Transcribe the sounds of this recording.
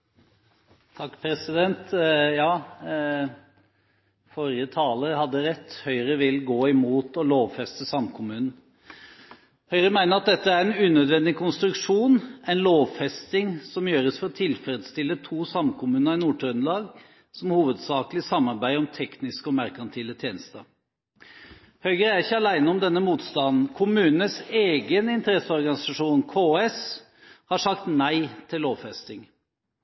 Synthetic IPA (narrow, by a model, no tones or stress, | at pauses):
t̪ʰɑkːpʰɾɛsɪd̪ɛnt̪jɑː | fɔɾɪət̪ʰɑːləhɑd̪ːəɾɛt̪ːhœʏɾəʋɪlɡoːɪmuːt̪ɔloːʋfɛst̪əsɑmkʰʊmʉːnn̩ | hœʏɾəmæɪnəɾɑt̪̚d̪ɛt̪ːəæɾɛɪnʉːnœd̪ʋɛnd̪ɪkʰʊnst̪ɾʉkʂuːnæɪnloːʋfɛst̪ɪŋsɔmjøːɾəsfɔɾɔt̪ʰɪlfəɾəd̪st̪ɪlːət̪ʰuːsɑmkʰʊmʉːnəɪnuːʈʰɾœnlɑːɡ | sɔmhuːʋəd̪sɑːklɪsɑmːɑɾbæɪɔmt̪ʰɛknɪskɔmæɾkɑnt̪ʰɪlːət̪ʰjeːnəst̪ə | hœʏɡəɾæɾɪçːəɑlæɪnəɔmd̪ɛnːəmuːt̪st̪ɑnn̩kʰʊmʉːnəseːɡənɪnt̪əɾɛsːəɔɾɡɑnɪsɑʂuːnkʰoːɛs | hɑʂɑkt̪næɪt̪ʰɪlːoːʋfɛst̪ɪŋ